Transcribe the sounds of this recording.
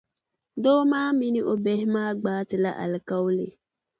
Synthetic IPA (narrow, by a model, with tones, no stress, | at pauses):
do˦maː˦mi˦ni˦ʔo˨bɛ˦hmaː˦ɡ͡baː˦tɨ˨la̰˦ʔa̰˨lka˦wlḛ˨